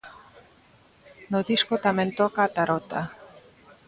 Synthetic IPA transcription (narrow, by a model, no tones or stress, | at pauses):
noðiskot̪amẽnt̪okaːt̪aɾot̪a